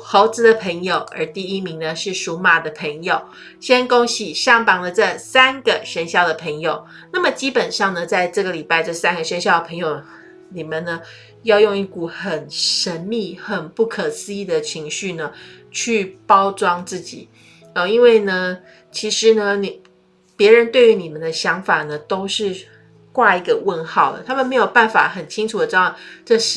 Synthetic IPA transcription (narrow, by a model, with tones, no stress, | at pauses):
xo˧˥ʊt͡sɹ̩˧˥d̪ə˨pʰə˧˥ŋjo˨˩ʊə̰˞˧˥t̪i˥˩i˥mi˧˥ŋnə˧ʂɻ̩˥˩ʂu˧˥ma˨˩d̪ə˩pʰə˧˥ŋjo˨˩ʊ | ɕjɛ˥nko˥ŋɕi˨˩ɕjɑ˥˧ŋpɑ˥ŋd̪ə˨ʈ͡ʂə˥˩sa˥nɡə˨ʂə˥nɕjɑ˥˩ʊd̪ə˩pʰə˧˥ŋjo˨˩ʊ | na˥˩mə˩t͡ɕi˥pə˨˩nʂɑ˥˩ŋnə˩t͡sa˥˧ɪʈ͡ʂɤ˥˩ɡə˩li˨˩pa˥ɪʈ͡ʂə˥˧sa˥nɡə˨ʂə˥nɕjɑ˥˩ʊə˩pʰə˧˥ŋjo˨˩ʊ | ni˨˩mə˨˦nnə˦ | jɑ˥˧ʊjo˥˧ŋi˥˩ku˨˩xə˨˩nʂə˧˥nmi˥˧˩xə˨˩npu˥˩kʰə˨˩sɹ̩˥i˥˩d̪ə˩t͡ɕʰi˧˥ŋɕy˥˩nə˩t͡ɕʰy˥˩pɑ˥ʊt͡swɑ˥ŋt͡sɹ̩˥˩t͡ɕḭ˨˩˦ | ɔ˥˩i˥nwe˥˩ɪnə˩ | t͡ɕʰi˧˥ʂɻ̩˧˥nə˧ni˨˩ | pjɛ˧˥ɻə˧˥nt̪we˥˩ɪy˧˥ni˨˩mə˦nd̪ə˦ɕjɑ˧˥ŋfa˨˩nə˩t̪o˥ʊʂɻ̩˥˧ | kwa˥˧i˧˥˩ɡə˧wə˥˧nxɑ˥˩ʊd̪ə̰˩t̪ʰa˥mə˨nme˧˥ɪjo˨˩ʊpa˥˩nfa̰˨˩xə˨˩nt͡ɕʰi˥ŋʈ͡ʂʰu˨˩d̪ə˩ʈ͡ʂd̪ɑ˥˩ʈ͡ʂɤ˥˧˩ʂ